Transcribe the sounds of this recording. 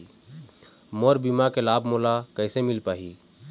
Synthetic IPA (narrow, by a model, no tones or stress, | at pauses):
moɾbimakelabʱmolakəɪsemilpaɦi